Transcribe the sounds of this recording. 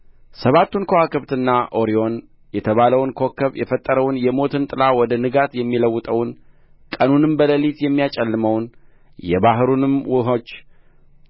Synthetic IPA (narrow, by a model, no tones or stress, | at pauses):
səβat̪ːunkʰowakʰɨβt̪ɨnːaʔo̞ɾio̞n | jɛt̪ʰəβaləwnkʰo̞kːəβjɛfət̪ʼːəɾəwnjɛmo̞t̪ʰɨnt̪ʼɨlawɔd̪ənɨɡat̪jɛmːiləwːʊt̪ʼəwn | kʼənunɨmbələlit̪jɛmːijat͡ʃʼɛlːɨməwn | jɛbaɦɨɾunɨmwʊɦot͡ʃː